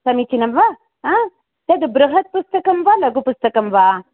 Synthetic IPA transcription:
sɐmit͡ʃinɐmʋa | a | t̪ɐd̪ɨbɾɐɦɐt̪̚pust̪ɐkɐmʋalɐɡupust̪ɐkɐmʋa

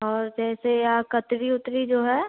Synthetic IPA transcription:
ɔːɾd͡ʒɛːsejakət̪ɾiʊt̪ɾid͡ʒoːɦɛː

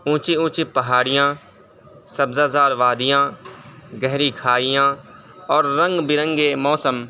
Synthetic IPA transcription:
ũːt͡ʃiũːt͡ʃiːpəɦaːɽɪjãː | səbzaːzaːɾʋaːd̪ɪjãː | ɡɛɦɾiːkʰaːɪjãː | ɔːɾːə̃ŋɡbɪɾə̃ŋɡeːmɔːsəm

